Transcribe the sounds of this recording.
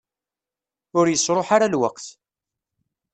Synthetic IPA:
ʊɾjəsɾˤoħaɾalwə̰qθ

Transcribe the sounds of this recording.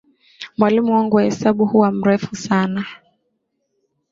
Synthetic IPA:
mwalimuwaŋɡuwahɛsaɓuhuwam̩ɾɛfusana

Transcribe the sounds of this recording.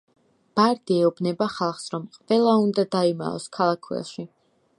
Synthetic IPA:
b̥aɾd̪̥iɛubnɛbaχalˠχsɾɔmqʼvɛlˠaund̪ad̪aima̰ɔ̰skʰalˠakʰwɛ̰lˠʃi

